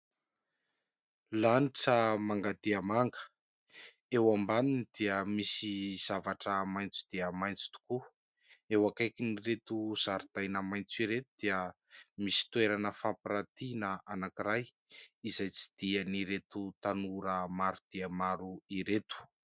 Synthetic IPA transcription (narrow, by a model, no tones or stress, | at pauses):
laniʈ͡ʂəmaŋɡad̪eəmaŋɡə̥ | ewambaninid̪̥iəmisiz̥avaʈ͡ʂəmajnt͡su̥d̪̥iəmajnt͡su̥t̪u̥ku | ewakajkiniɾet̪uz̥aɾid̪̥ajnəmajnt͡siɾet̪ud̪̥iə | misi̥t̪ueɾanəfapiɾat̪inəanakiɾaj | izajt͡si̥d̪̥iəniɾet̪ut̪anuɾəmaɾud̪̥iəmaɾuiɾet̪u̥